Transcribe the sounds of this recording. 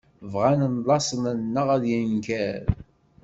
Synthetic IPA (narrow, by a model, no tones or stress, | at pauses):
vʁanənlˤɑsˤənənːəʁæðjənkæɾ